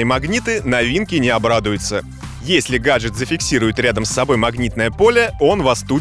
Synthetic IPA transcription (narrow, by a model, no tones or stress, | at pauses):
əjmɐɡnʲit̪ɨnɐvʲinkʲɪnʲɪɐbɾad̪ʊjʊt̪sə | jesʲlʲɪɡaʐɨt̪zəfʲɪksʲiɾʊjɪt̪ɾʲad̪əmsːɐbo̞jmɐɡnʲit̪̚nəjəpo̞lʲəo̞nvɐst̪u